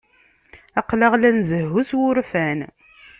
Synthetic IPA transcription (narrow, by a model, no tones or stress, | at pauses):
ɑqːləʁlænzəhːuswʊɾfæn